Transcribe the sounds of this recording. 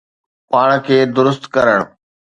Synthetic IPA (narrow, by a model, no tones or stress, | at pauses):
paːɽ̃kʰeːd̪ʊɾʊst̪kɐɾəɽ̃